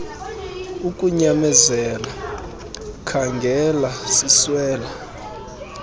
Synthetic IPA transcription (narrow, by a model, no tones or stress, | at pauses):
ukʼuɲamɛzɛla | kʰaŋɡʱɛlasiswɛːla